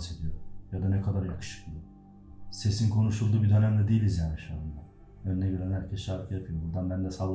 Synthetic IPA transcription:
se̞d̪ijojad̪anɛkʰad̪aɾjakʰɯ̥ʃɯ̥klˠɯ | se̞sinkʰo̞nuʃulˠd̪uːbid̪ønæmd̪ɛd̪eilʲizjaːniʃuand̪a | ønnɛbiɾɛnhæɾcʰɛsʃaɾɯkʰɯjapʰɯjo̞buɾd̪anbænd̪ɛsalˠ

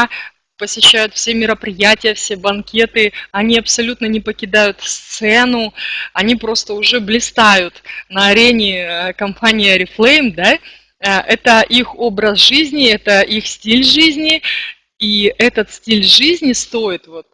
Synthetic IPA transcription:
pəsʲɪɕːæjʊt̪fsʲemʲɪɾəpɾʲɪjætʲɪjəfsʲe̞bɐnkʲe̞t̪ɨɐnʲiɐpsɐlʲut̪nənʲɪpəkʲɪd̪ajʊt̪fst̪sɛnʊɐnʲipɾo̞st̪əʊʐɛblʲɪst̪ajʊt̪nəɐɾʲenʲɪkɐmpanʲɪjəɾʲɪflˠejmd̪a | əʔɛt̪əʔixo̞bɾəsʐɨzʲnʲɪɛt̪əʔixsʲtʲilʲʐɨzʲnʲɪ | iɛt̪ət̪sʲtʲilʲʐɨzʲnʲɪst̪o̞ɪt̪vo̞t̪̚

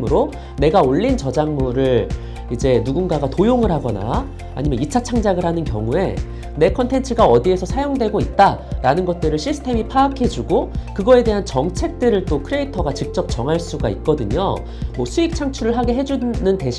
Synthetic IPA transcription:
ɯɾo | ne̞ɡaoʎːint͡ɕʌd͡ʑaŋmuɾɯɭ | id͡ʑe̞nuɡunɡaɡatojoŋɯɭɦaɡʌna̰ | a̰ɲimʌnit͡ɕʰat͡ɕʰaŋd͡ʑaɡɯɭhanɯnkjʌ̰ŋue̞̰ | ne̞kʰʌntʰe̞nt͡ɕʰɯɡaʌdie̞sʰʌsʰajoŋdwe̞ɡoit̚t͈aɾanɯnɡʌt̚t͈ɯɾɯɭɕʰisʰɯ̥tʰe̞mipʰaːkʰe̞d͡ʑuɡokɯɡʌe̞de̞ɦant͡ɕʌŋt͡ɕʰe̞k̚t͈ɯɾɯɭt͈okʰɯɾe̞itʰʌɡat͡ɕik̚t͡ɕ͈ʌp̚t͡ɕʌŋɦaɭs͈uɡait̚k͈ʌdɯɲo̰ | mwʌsʰuik̚t͡ɕʰaŋt͡ɕʰuɾɯɭɦaɡe̞ɦe̞d͡ʑunɯnte̞ɕʰ

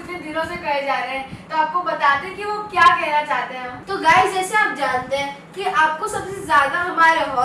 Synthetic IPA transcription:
t̪ẽd̪ʱiɾõsekɐɽed͡ʒaːɾeɦɛ̃t̪oaːp̚kobɐt̪aːt̪eɦɛ̃kiʋokjaːkɛɦnat͡ʃaːɦt̪eɦɛ̃ɦɐmt̪oɡaːɪd͡ʒɛːseaːp̚d͡ʒãːnt̪eɦɛ̃ː | kiʔaːp̚kosɐbsezjaːd̪aɦɐmaːɾeɦɔː

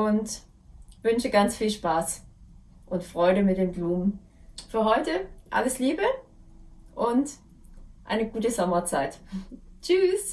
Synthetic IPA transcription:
ʔʊnt | vʏnʃəɡant͡sfiːlʃpaːs | ʔʊntfʁ̥ɔʏɾəmɪt̚d̥eːmbluːmən | fyːɐɦɔʏtəʔa̰ləsliːbə | ʔʊnt | ʔa̰ɪnəɡuːtəzɔmɐt͡saɪtt͡ʃyːs

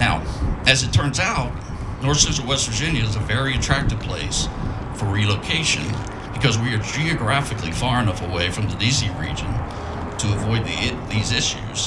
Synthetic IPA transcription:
naʊɨzɨtʰɜ̃˞nzaʊt̚ⁿ | nɔɹθsɪzəwɛstɹə˞d͡ʒɪ̃njɨɨzəvɛɹiɨtʰɹ̥æk̚tɨv̥pʰl̥eɪs | fə˞ɹiloʊkʰeɪʃɨ̰̃n | b̥ɨkʰʌzwiə˞d͡ʒiɨɡɹæfɨklḭfɑɹɨ̃nʌfəweɪfɹʌ̃mðɨdiziɹḭd͡ʒɨ̃n | tʰɨːvɔɪd̪̚ðḭðizɪʃʉ̰z̥

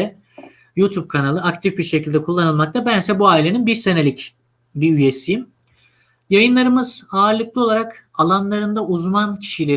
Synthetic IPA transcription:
ɛ | jut̪ʰub̚kʰanalˠɯakt̪ʰifbiɾʃecʰilʲd̪ɛkʰulˠːanɯlˠmak̚t̪ʰabænsɛbuaːilʲe̞ninbiɾsene̞lʲic | biyje̞sijim | jajɯnlˠaɾɯmɯz̥aːɾlˠɯklˠɯo̞lˠaɾak | alˠanlˠaɾɯnd̪auzmancʰi̥ʃilʲe

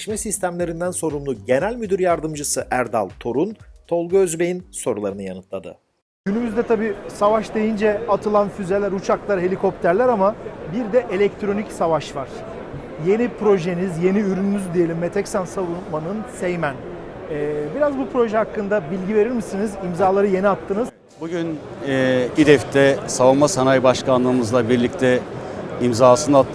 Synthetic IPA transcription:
ʃmɛsist̪ʰæmlʲe̞ɾind̪ænso̞ɾumlˠuɟe̞nælʲmyd̪yɾjaɾd̪ɯmd͡ʒɯsɯʔæɾd̪a̰lˠt̪ʰo̞ɾunt̪ʰo̞lˠɡuøzbejinso̞ɾulˠaɾɯnɯjanɯt̪ʰlˠad̪ɯ̰ | ɟynymyzd̪ɛt̪ʰabiːsavaʃd̪e̞jind͡ʒɛat̪ʰɯlˠanfyze̞lʲæɾut͡ʃʰaklˠaɾɦe̞lʲikʰo̞p̚t̪ʰæɾlʲæɾamabiɾd̪ɛʔelʲɛc̚t̪ʰɾo̞nicsavaʃvaɾ̥ | je̞nipʰɾo̞ʒenizje̞niyɾynymyzd̪ije̞lʲimːe̞t̪ʰɛcsansavunmanɯnsejmæn | ɛːbiɾazbupʰɾo̞ʒɛɦakːɯnd̪abilʲɟive̞ɾiɾmisinizimzaːlˠaɾɯje̞niat̪ʰːɯnɯz | buɟyn | id̪ɛft̪ʰɛsavunmasanajbaʃkanlˠɯːmɯzlˠabiɾlʲic̚t̪ʰɛimzaːsɯnɯat̪ʰː

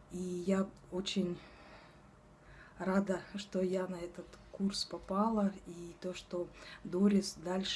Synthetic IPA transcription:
ija | ot͡ɕɪnʲ | rad̪əʂt̪ojanɐɛt̪ət̪kurspɐpalˠəit̪oʂt̪od̪oɾʲɪsd̪alʲʂ

